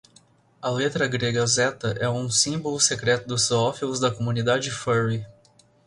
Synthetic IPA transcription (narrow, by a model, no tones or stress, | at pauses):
ɐlet̪ɾɐɡɾeɡɐzɛt̪ɐʔɛũsĩbolʊsekɾɛt̪ʊd̪ʊsɔfilʊzd̪ɐkomũnid̪ad͡ʒɪfɛɾi